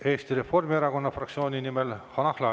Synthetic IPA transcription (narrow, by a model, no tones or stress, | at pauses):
e̞ːst̪iɾe̞fo̞rmieɾɑko̞nːɑfrɑkt̪sio̞ːnʲinimelhɑnɑhlɑ